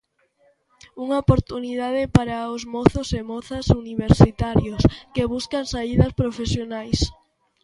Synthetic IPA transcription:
uŋaopoɾt̪uniðað̞ɪpaɾaʊzmɔθosemɔθasuniβeɾsit̪aɾjoskeβ̞uskaŋsaiðɐspɾofesjonajs

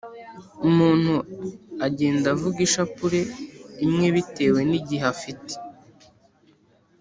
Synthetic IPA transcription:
umuːn̥huaɟeːndavuɡiʃapuɾe̞imŋe̞βite̞ːwe̞niɟiɦafite̥

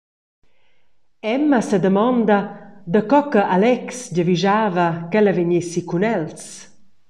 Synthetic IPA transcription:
ɛmasəd̪əmɔnd̪ad̪əkɔkəʔalɛksɟəviʒaːvakɛləveɲesikunɛls

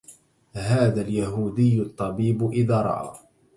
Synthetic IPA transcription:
haːðaljaɦuːd̪ɪjːʊt̪ˤːɑbiːbʔɪðaːɾˤɑ̰ʔa̰ː

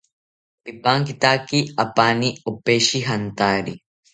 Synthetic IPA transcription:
d̪ɪbːaːŋkɪt̪aːkːiɐpːaːniɔpːeːʃiɦɐnt̪aːɾi

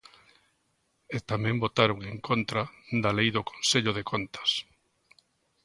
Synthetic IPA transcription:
et̪amɛ̃mbot̪aɾoŋeŋkont̪ɾad̪alejðoko̥nseʎʊðekʰont̪ɐ̥s

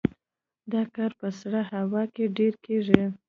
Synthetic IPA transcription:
d̪ɑkɑɾpəsɽahawɑkeɖeɾkeʐi

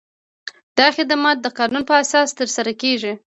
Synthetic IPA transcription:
d̪̥ɑxɪd̪amɑt̪̚d̪əqɑnunpəasɑst̪əɾsaɾakeʒi

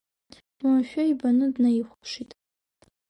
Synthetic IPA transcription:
wamʃᶣaibanɨdnajiχʷʂitʼ

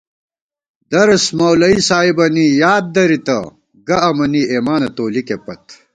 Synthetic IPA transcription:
d̪ɐɾɐsmɐwlɐisaːibɐnijaːd̪̚d̪ɐɾit̪ɐ̰ | ɡɐɐmɐnieːmaːnɐt̪oːlikepɐt̪

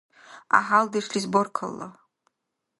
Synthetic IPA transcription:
a̰ɦaldɨʂlizborkʰə̰lːa̰

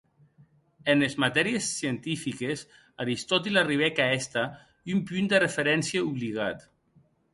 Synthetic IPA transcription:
enlezmat̪ɛɾiesːient̪ifikes | aɾist̪ɔt̪̬ilariβɛkaɛst̪a | umpynd̪erefeɾɛnsieuβliɣat̪

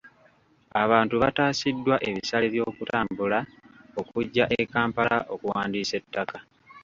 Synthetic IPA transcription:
aβaːntuβataːsidːwaʔe̞βisale̞βjo̞ːkutaːmbulao̞kuɟːaʔekaːmpala̰ʔo̞kuwaːndiːse̞tːaka

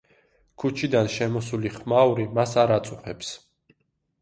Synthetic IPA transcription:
kʰut͡ʃʰid̪anʃɛmɔsuliχmauɾimasaɾat̪sʼuχɛps

